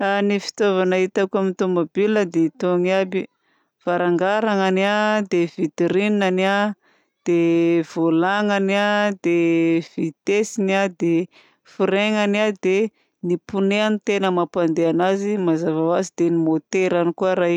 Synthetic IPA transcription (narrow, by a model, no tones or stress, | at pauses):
anifi̥t̪ovanait̪akuamit̪omabiləd̪et̪oŋabi | v̥aɾaŋɡaɾaŋanad̪evit̪eɾininania | d̪̥ev̥olaŋaniad̪ev̥it̪esiniad̪e | fiɾeŋaniad̪e | nipuneanit̪enəmapand̪eanazimazavawazid̪enimot̪eɾanikuaɾaj